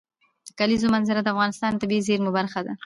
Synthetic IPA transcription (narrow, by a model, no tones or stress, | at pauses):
d̪̥əkalizomanzɪɾad̪əafɣɑnɪst̪ɑnt̪abizeɾmʊbaɾxad̪a̰